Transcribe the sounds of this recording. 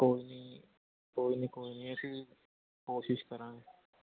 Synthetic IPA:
koːini | koːinikoːiniãsi | koːʃɪʃkɐɾãɦɛ

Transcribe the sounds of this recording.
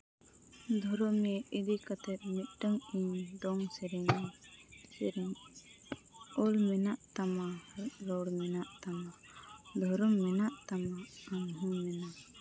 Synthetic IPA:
d̪ʱɔɾɔmɛid̪ikat̪ɛt̪̚mit̪̚ˀʈəŋiɲɖɔŋsɛɾɛɲɛsɛɾiŋ | ɔlmɛnaʔt̪amaɾɔɽmɛnaʔt̪ama | d̪ʱɔɾɔmːɛnaʔt̪amaəŋɦumɛna

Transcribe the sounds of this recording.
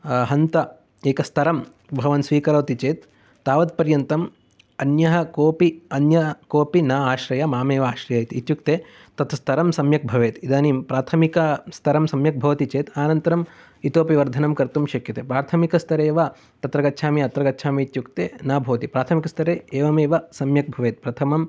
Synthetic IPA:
ɦɐnt̪ɐ | eːkɐst̪ʰɐɾɐm | bʱɐʋɐnsʋiːkɐɾɐːt̪it͡ʃeːt̪ː | aːʋɐt̪̚pɐɾjɐnt̪ɐm | ɐnjɐɦɐ̆koːpiɐnjɐkoːpinaːaːʃɾɐjɐmaːmeːʋɐaːʃɾɐjɐit̪it̪juk̚t̪eː | t̪ɐt̪ʰɐst̪ʰɐɾɐmsɐmjɐk̚bʱɐʋeːt̪id̪aːnimpɾaːt̪ʰɐmikɐst̪ʰɐɾɐmsɐmjɐk̚bʱɐʋɐt̪it͡ʃeːt̪aːnɐnt̪ɐɾɐm | it̪oːpiʋɐɾd̪ʱɐnɐmkɐɾt̪umʃɐkjɐt̪eːpɾaːɾt̪ʰɐmikɐst̪ʰɐɾeːʋa | t̪ɐt̪ɾɐɡɐtːʃʰaːmiɐt̪ɾɐɡɐtːʃʰaːmiit̪juk̚t̪eːnaːbʱɐʋɐt̪ipɾaːt̪ʰɐmikɐst̪ʰɐɾeːeːʋɐmeːʋɐsɐmjɐk̚bʱɐʋeːt̪̚pɾɐt̪ʰɐmɐm

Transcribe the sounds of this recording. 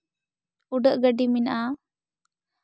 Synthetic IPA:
uɖəʔɡəɖiminʔa

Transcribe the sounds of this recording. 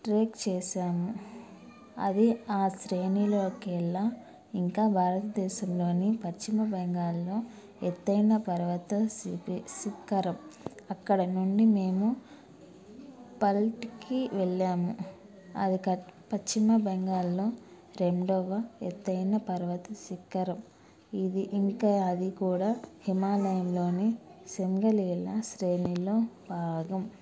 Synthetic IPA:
ʈɾeːkt͡ʃɛːʃaːmu | ɐ̰d̪iaːsɾeːnilo̞ːkɛɭːa | iŋkaːbʱaːɾɐt̪ɐd̪ɛːʃɐmlo̞ːnipɐt͡ʃt͡ʃːimɐbɐŋɡaːlːoː | et̪ːɐjnɐpɐɾɐʋɐt̪ɐsipisikɐɾɐmɐkːɐɽɐnuɳɖime̞ːmu | pɐlʈkiʋeɭːaːmu | ɐ̰d̪ikɐpɐt͡ʃt͡ʃːimɐbɐŋɡaːlloː | ɾemɖɔʋɐɛt̪ːɐjnɐpɐɾʋɐt̪ɐsikːɐɾɐm | id̪iʔiŋkaːd̪ikuːɽaːhimaːlɐjɐmlo̞ːnisemɡɐliɛlːɐsɾeːniloːbʱaːɡɐm

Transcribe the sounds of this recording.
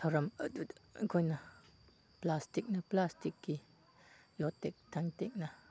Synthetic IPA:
tʰawɾɐmədudŋkʰɔjnɐ | plastik̚nɐplastikːi | jɔtːɛk̚t̪ʰaŋtɛk̚nɐ

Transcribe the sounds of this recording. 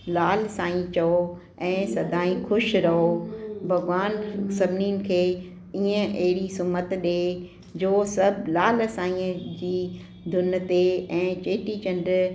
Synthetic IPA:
laːlsaːĩt͡ɕɐo | ɛ̃ːsɐd̪ʱaːĩxʰʊʃɾɐɦobʱɐɡʋaːnsɐbʱniːnɪ̆kʰeː | iːə̃ʔɐɦɪɽisʊmət̪ɗeː | d͡ʑoːsɐbʱlaːlsaːĩəd͡ʑiː | d̪ʱʊnt̪eɛ̃ːt͡ɕeːʈit͡ɕɐ̃nɖɾ

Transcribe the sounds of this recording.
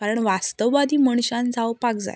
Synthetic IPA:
kaɾəɳʋast̪əʋʋad̪iːməɳ̃ɕãnt͡sawpakd͡za̰j

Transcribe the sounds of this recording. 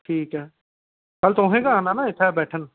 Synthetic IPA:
ʈʰiːkɦɛː | kɐlt̪õɦẽkaaːnanaɪt̪ʰabɛːʈʰən

